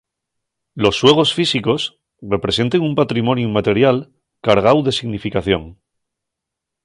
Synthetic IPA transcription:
lo̞sːwe̞ɣ̞o̞sfisiko̞s | re̞pɾe̞se̞nt̪eŋumpat̪ɾimõ̞njumat̪e̞ɾjal | kaɾɣ̞awðe̞siɣnifikaθjo̞̰ŋ

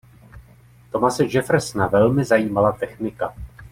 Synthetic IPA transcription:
t̪o̞masɛʒɛfɾɛsnavɛlmɪzajiːmalat̪ɛxnɪka

